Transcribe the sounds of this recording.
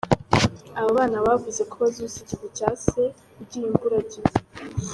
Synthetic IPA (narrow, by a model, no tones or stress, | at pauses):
awoβaːnawavuze̞kʰoβazusicivut͡ʃase | ubɟijimvuɾazi